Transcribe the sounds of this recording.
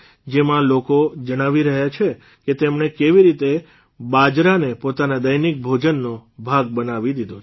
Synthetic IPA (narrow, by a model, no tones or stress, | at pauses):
d͡ʒemãlokod͡ʒəɽ̃aʋiɾəɦjat͡ʃʰe | ket̪emɳ̃ekeʋiɾit̪e | bad͡ʒɾanepot̪anad̪əjnik̚bʱod͡ʒənːobʱaɡ̚bənaʋid̪id̪o